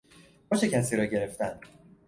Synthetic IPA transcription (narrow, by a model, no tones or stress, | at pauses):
bɒːʃecʰæsiːɾɒːɟe̞ɾe̞ft̪æn